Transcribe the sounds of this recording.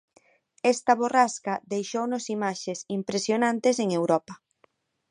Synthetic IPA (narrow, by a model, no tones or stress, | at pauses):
ɛst̪ɐβoraskɐðejʃownʊsimaʃesimpɾesjonãnt̪ɪseŋewɾɔpɐ